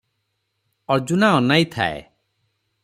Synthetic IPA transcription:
ɔd͡ʒunaɔnajt̪ʰa̰ḛ

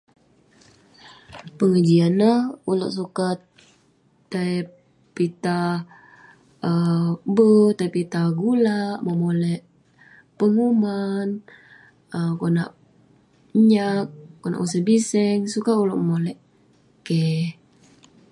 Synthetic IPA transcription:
pəŋəd͡ʒianːahulo̰ʔsukat̪ː | a | pit̪a | əbət̪ajpit̪aɡulaʔməmolɛʔ | pəŋuman | əmkonaʔ | ɲak̚kːona̰ʔŋusabisɛŋsukauloʔməmolɛʔ | kɛ

